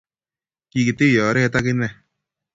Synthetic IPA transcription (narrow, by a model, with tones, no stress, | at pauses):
ki˧ki˨t̪ɪ˦jɔ˨˦ɾɛ˦ɛ˧t̪a˦kɪ˦nɛ˨